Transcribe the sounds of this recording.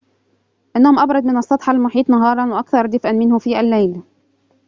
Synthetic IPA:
ʔɪnːahʊmʔɑbɾˤɑd̪̚mɪnɑsˤːɑt̪ˤħɑlmʊħiːt̪ˤnɑɦɑːɾˤɑnwɪʔɑkθɑɾˤd̪ɪfʔanmɪnhʊfiːʔalːajl

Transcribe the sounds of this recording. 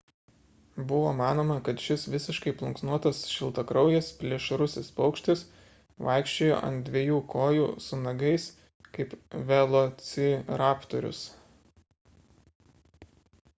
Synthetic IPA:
bʊʋoːmɑːnoːmɐkɐt̪ʃʲɪsʋʲɪsʲɪʃkɐɪplˠʊŋksnuɔt̪ɐsʃʲɪlˠt̪ɐkɾɒʊjɛspʲlʲiɛʃɾʊsʲɪspɒʊkʃʲt̪ʲɪs | ʋɐɪkʃʲt͡ʃʲeːjo̰ːʔɐ̰nt̪̚d̪ʲʋʲiɛjuːkoːjuːsʊnɐɡɐɪs | kɐɪpʋʲɛlˠot̪sʲɪɾɑːpt̪ɔɾʲʊ̰s

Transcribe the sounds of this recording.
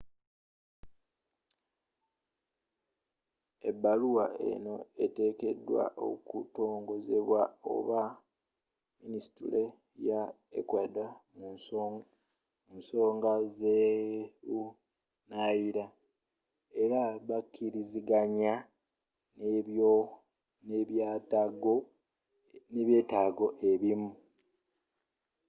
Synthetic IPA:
e̞bːaluwae̞̰no̞ete̞ːke̞dːwa̰ʔo̰kuto̞ːŋɡo̞ze̞βwao̞̰βa | ministule̞ | ja | ḛkwada | munso̞ːŋɡaze | u | najiɾa | e̞ɾaβakʰːiɾiziɡaɲa | no | neβjaːtaɡo | ne̞βje̞ːtaːɡo̞ʔe̞βimu

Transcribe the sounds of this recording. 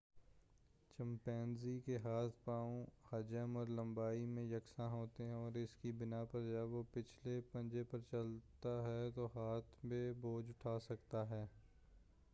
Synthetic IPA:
t͡ʃə̃mpɛːnzikeɦaːt̪ʰpaːõhɐd͡ʒəmɔːɾlə̃mbaːimẽjɐksãɦoːt̪eɦɛ̃ɔːɾɪskibɪnapɐɾd͡ʒɛːʋopɪt͡ʃʰlepɐ̃nd͡ʒepɐɾt͡ʃɐlt̪aɦɛt̪oːɦaːt̪ʰbẽboːd͡ʒʊʈʰaːsɐkt̪aɦɛː

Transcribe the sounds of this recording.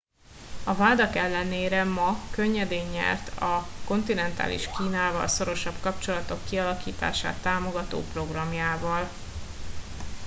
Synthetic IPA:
ɒvaːd̪ɒkɛlːɛneːɾɛmɒkøɲːɛd̪eːɲːɛ̰rt̪ʰɒko̞nt̪inɛnt̪a̰ːlḭʃkiːnaːvɒ̰lso̞ɾo̞ʃɒbkɒpt͡ʃo̞lɒt̪o̞kːiɒlɒkḭːt̪a̰ːʃa̰ːt̪ːaːmo̞ɡɒt̪o̰ːpro̞ɡrɒmjaːvɒl

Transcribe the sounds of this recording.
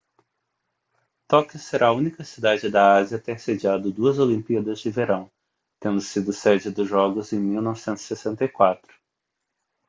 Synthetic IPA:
t̪ɔkiseɾʔaːũnikɐsid̪ad͡ʒɪd̪ɐaziɐt̪eɾsed͡ʒiad̪ʊd̪uɐzolĩmpiɐd̪ɐzd͡ʒɪveɾɐ̃w̃ | t̪ẽnd̪ʊsid̪ʊsɛd͡ʒɪd̪ʊzʒɔɡʊzẽj̃miwnɔvɪsẽnt̪ʊz̥i̥sesẽnt̪ɐjkwat̪ɾʊ̥

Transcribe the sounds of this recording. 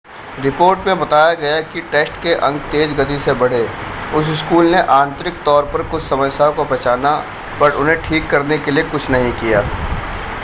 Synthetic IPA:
ɾɪpoːɾʈmẽbɐt̪aːjaɡɐjakiʈeːsʈkeʔɐ̃ŋɡ̚t̪eːd͡ʒɡɐt̪̬isebɐɽ̤eʊsɪskuːlneʔãːnt̪ɾɪk̚t̪ɔːɾpɐɾkʊt͡ʃʰsɐməsjakopɐt͡ʃaːna | pɐɾʊnɦẽʈʰiːkːɐɾnekelijekʊt͡ʃʰnɐɦĩkijaː

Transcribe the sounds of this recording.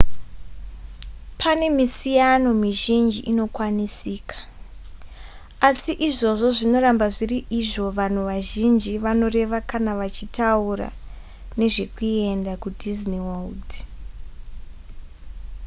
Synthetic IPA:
pʰane̞misijano̞miʒind͡ʒiʔino̞kwanisiːkḁ | asiʔiʐo̞ʐo̞ʐino̞ɾambaʐiriʔiʐo̞ʋan̤uʋaʒind͡ʒiʋano̞re̞ʋakanaʋat͡ʃitaura̰ | ne̞ʐe̞kue̞ndakudʱizniwald

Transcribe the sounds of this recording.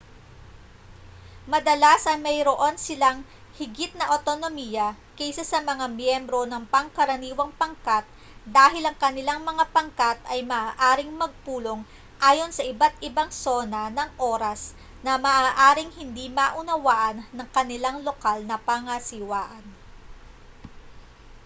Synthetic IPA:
mɐd̪ɐlasɐmɐjɾoʔo̞nsɪlaŋ | hɪɡɪt̪̚nɐʔot̪onomiːjɐ | kɛjsɐsɐmɐŋamjɛmbɾo̞nɐŋpɐŋkɐɾɐniːwɐŋpɐŋkat̪̚ | d̪aːɦɪlɐŋkɐnɪlaŋmɐŋapɐŋkat̪ɐjmɐʔaːʔaːɾɪŋmɐɡ̚puːlo̞ŋ | ʔaːjo̞nsɐʔɪbat̪ɪbaŋso̞nɐnɐŋʔo̞ːɾɐs | nɐmɐːʔaːʔaːɾɪŋhɪnd̪imɐʔʊnɐwaːʔɐnːɐŋkɐnɪlaŋlo̞kalnɐpaŋɐsɪwaːʔɐn

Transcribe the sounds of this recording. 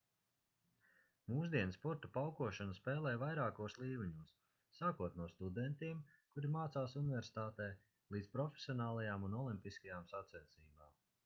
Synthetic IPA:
muːz̬d̪iɛnspɔɾt̪upawkuɔʃanaspɛːlˠɛːjvajɾaːkuɔslˠiːvuɲuːsː | aːkuɔt̪nuɔst̪ud̪ɛnt̪iɛmkuɾimaːt̪saːsunvʲɛɾsi̥t̪aːt̪ɛː | lˠiːd̪spɾɔfʲe̥sʲiɔnaːlˠajaːmunɔlˠimpiskajaːmsat̪sɛɛt̪siːbaːm

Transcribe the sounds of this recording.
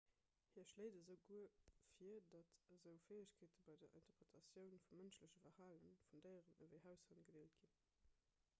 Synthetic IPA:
hiːɐʃleɪːdəzəʊɡuəfiədɑtzəʊfeːəɕkʰeːtəbɑɪdɐʔḭntɐpʁətʰɑsjəʊnfumənɕləɕəvɐʁhaːlənfundəɪʁənəvəɪɦæʊshɑnɡ̥ədeːlt̚ɡ̥in

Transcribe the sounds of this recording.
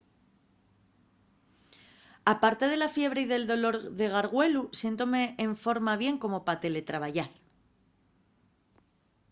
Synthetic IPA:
apaɾt̪e̞ð̞e̞lafje̞βɾe̞iðe̞ld̪o̞lo̞ɾðeɣ̞aɾɣwe̞lusje̞nt̪o̞me̞ːɱfo̞ɾmaβ̞je̞ŋko̞mo̞pat̪e̞le̞t̪ɾaβaʝal

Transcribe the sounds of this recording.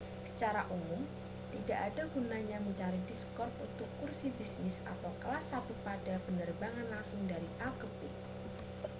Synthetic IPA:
sə̥t͡ʃaɾaʔumʊm | t̪idaʔadaɡunaɲaməɲt͡ʃaɾidiskɔrt̪unt̪ʊkːursibisnɪsa̰t̪awkəlasat̪upadapənərbaŋanlaŋsʊŋdaɾiʔalkəpɪ

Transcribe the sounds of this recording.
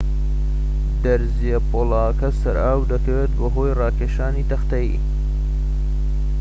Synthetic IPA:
d̪ɐɾzijɐpoːlaːkɐsɐɾaːwd̪ɐkɐweːt̪̚bɐɦoːjrɑːkeːʃaːniːt̪ɐxt̪ɐjḭː

